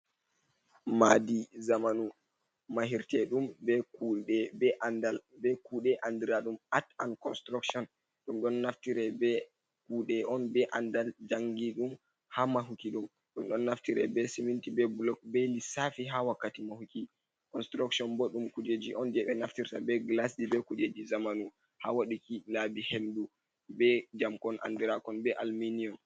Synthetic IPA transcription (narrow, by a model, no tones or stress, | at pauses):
madizamanu | maɦiɾtɛɗumbɛkuɛbɛʔandalbɛkuɗɛʔandiɾaɗumatankɔnstɾuksɔn | ɗumɗɔnːaftiɾɛbɛ | kuɗɛʔɔnbɛʔandald͡ʒaŋɡiɗum | hamaɦukiɗum | ɗɔmɗɔnːaftiɾɛ̰bɛsimintibɛbulɔk̚belisafiɦawakːatimahuki | kɔnstɾaksɔnbɔɗumkud͡ʒed͡ʒiʔɔnd͡ʒɛɓɛnaftiɾtabɛɡlasdibɛkud͡ʒed͡ʒizamanu | ha̰waɗikilabihendu | bɛd͡ʒamkɔna̰ndiɾakɔnbɛʔalminiɔn